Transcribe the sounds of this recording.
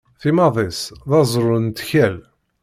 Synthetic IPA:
θimɑðˤesðɑzˤɾˤʊnt̪çæl

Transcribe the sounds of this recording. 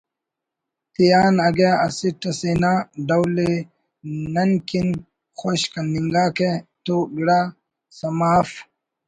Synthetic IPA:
t̪ijaːnɐɡaɐsiʈɐsinaɖɐwle | nɐnkin | xoɕkɐniŋɡaːket̪oɡiɽa | sɐmaːf

